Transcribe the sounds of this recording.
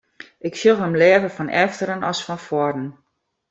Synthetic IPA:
ɪkfjolˠɦəmlɛːvəfɔnɛ̰ftəɾənʔɔsfɔnfɔdən̩

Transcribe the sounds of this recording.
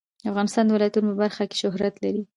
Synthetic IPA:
d̪əafɣɑnɪst̪ɑnd̪əwɪlɑjat̪unopəbaɾxake̥ʃʊɦɾat̪laɾi

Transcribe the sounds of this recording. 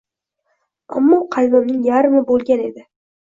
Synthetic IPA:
a̰mːɒqʰɑjmɨmnɪŋjaɾmɪbolˠɡʲane̞d̪ɪ

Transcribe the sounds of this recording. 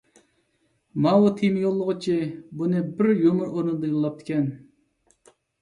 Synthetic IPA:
mɑwut̪ʰimɪjolˠːəʁʊt͡ʃʰibunɨbɪɾjomʊɾoɾnɨd̪ɑjilːˠɑp̚t̪ʰɪ̥kʲʰɛn

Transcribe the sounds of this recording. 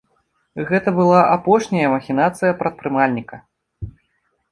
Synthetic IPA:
ɣɛt̪ɐbɨlˠaʔapɔʂnʲɐjɐmɐxʲin̪at̪sɨjɐpɾɐt̪̚pɾɨmalʲnʲikɐ

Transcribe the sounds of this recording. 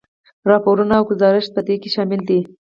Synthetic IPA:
ɾɑpoɾunaːwɡʊzɑɾɪʃt̪̚pəd̪ekeʃɑmɪld̪i

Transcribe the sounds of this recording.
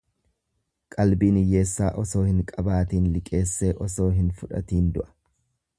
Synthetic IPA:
kʼɐlbiːnɪje̞ːsːaːʔɔso̞ːhɪŋkʼɐbaːt̪iːnlɪkʼe̞ːsːe̞ːʔɔso̞ːɦɪnfʊᶑɐ̰t̪iːnd̪ʊʔɐ̥

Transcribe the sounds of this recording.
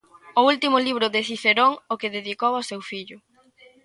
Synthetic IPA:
ʊult̪imʊliβ̞ɾʊðeθiθeɾoŋʊkeðeðikowasewfiʎʊ

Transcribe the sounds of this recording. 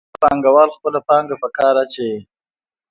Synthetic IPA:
pɑŋɡawɑːlxpəlapɑŋɡapəkɑɾat͡ʃe

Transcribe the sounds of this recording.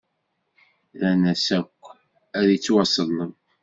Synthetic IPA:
lænæsækʷː | æðjit͡sːwɑsˤəlːəm

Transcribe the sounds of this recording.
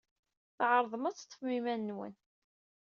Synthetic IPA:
θʕəɾˤðˤəmæt͡sːt̪ˤːəfmimænːwə̰n

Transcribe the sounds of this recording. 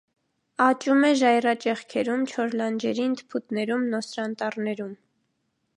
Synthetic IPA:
ɑt͡ʃumɛʒɑjrɑt͡ʃɛχkʰɛɾumt͡ʃʰɔɾlɑnd͡ʒɛɾint̪pʰut̪nɛɾumnɔsɾɑnt̪ɑrnɛɾum

